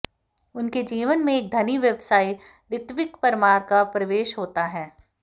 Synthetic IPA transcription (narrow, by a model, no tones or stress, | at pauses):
ʊnked͡ʒiːʋənmẽeːk̚d̪ʱɐniʋjɐʋsaːi | ɾɪt̪ʋɪkpɐɾɪmaːɾkapɾɐʋeːʃɦoːt̪aɦɛː